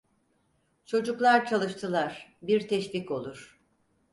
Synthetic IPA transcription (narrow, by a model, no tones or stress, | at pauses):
t͡ʃʰo̞d͡ʒuklˠaɾt͡ʃʰalˠɯʃt̪ʰɯlˠaɾ̥biɾt̪ʰɛʃviko̞lˠuɾ̥